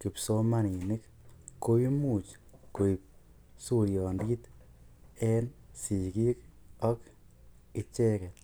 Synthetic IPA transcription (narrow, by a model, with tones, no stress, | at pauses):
ki˨pso˦ma˦ni˨nɪ˦k | kːo˦i˦mu˨t͡ʃ | ko˨i˨p̚ | su˦ɾjɔ˨ndi˦t̪ | ɛ˦nsi˨ki˦k | ɔ˦k | ɪ˧t͡ʃe˦kɛ˨